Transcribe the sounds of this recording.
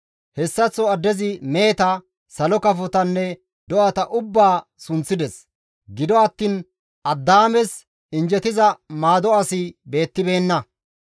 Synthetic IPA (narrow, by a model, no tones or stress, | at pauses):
hɛsːɐt͡sːɔɐd̪ːɛzɪmeːt̪ɐ | sɐlɔkɐfɔt̪ɐnːɛ | d̪ɔʔɐt̪ɐʔʊbːaːsʊnt͡sːɪd̪ɛs | ɡɪd̪ɔɐt̪ːiːn | ʔɐd̪ːaːmɛs | ɪnd͡ʒɛt̪ɪzɐmaːd̪ɔɐsɪbe̞ːt̪ːɪbe̞ːnːɐ